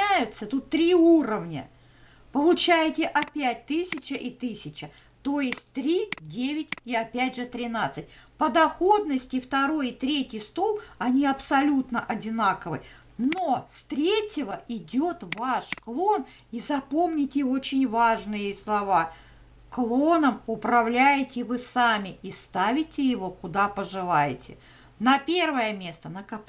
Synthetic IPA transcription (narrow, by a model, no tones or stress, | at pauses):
æjʊt̪sət̪ut̪ːɾʲiuɾəvnʲə̰ | pəlˠʊt͡ɕæjɪtʲɪʔɐpʲæt̚ʲt̪ɨsʲɪt͡ɕəʔit̪ɨsʲɪt͡ɕə | t̪o̞jɪsʲtʲt̪ɾʲidʲevʲɪtʲɪɐpʲædʲʐɨt̪ɾʲɪnat̪sɨt̚ʲpəd̪ɐxo̞d̪nəsʲtʲɪft̪ɐɾo̞jɪt̪ɾʲetʲɪjst̪olˠɐnʲiɐpsɐlʲut̪nəʔɐdʲɪnakəvɨ̰ | nost̪ɾʲetʲɪvəɪdʲot̪vaʂklˠo̞n | izɐpo̞mnʲɪtʲɪot͡ɕɪnʲvaʐnɨjɪslˠɐva | klˠo̞nəmʊpɾɐvlʲæjɪtʲɪvɨsamʲɪist̪avʲɪtʲɪjɪvo̞kʊd̪apəʐɨlˠajɪtʲɪ̰ | nɐpʲe̞rvəjəmʲe̞st̪ənəkɐp